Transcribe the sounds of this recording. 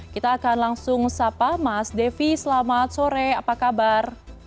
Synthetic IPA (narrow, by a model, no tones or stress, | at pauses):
kit̪aːkanlaŋsʊŋsapamasdefisəlamat̪̚soɾɛapakabar